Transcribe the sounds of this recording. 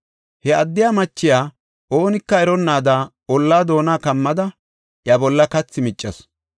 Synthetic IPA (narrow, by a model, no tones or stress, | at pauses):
hɛɐd̪ːɪjaːmɐt͡ʃːɪjaː | ʔoːnɪkːɐɛɾɔnːaːd̪aː | ɔlːaːd̪o̞ːnaːkɐmːɐd̪ɐ | jɐbɔlːɐkɐt͡sːɪmɪt͡ʃʼːɐs